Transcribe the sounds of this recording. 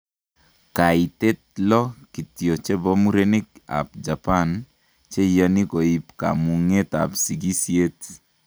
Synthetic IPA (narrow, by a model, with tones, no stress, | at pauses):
ka˨i˨t̪e˦t̪̚lɔ˦ki˨tjo˨t͡ʃe˦bɔ˦mu˦ɾe˦ne˦k̚a̰˨p̚d͡ʒa˨pa˦n | t͡ʃe˦jɔ˦ni˦ko˨i˨pka̰˨mu˨ŋe˦t̪a̰˨psi˨ɡi˦sje˦t